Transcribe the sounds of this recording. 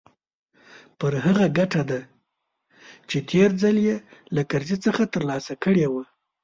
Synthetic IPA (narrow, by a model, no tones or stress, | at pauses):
pəɾɦaɣaɡaʈad̪a | t͡ʃet̪ʰeɾd͡zaljelakaɾzit͡səxat̪əɾlɑsakəɽewa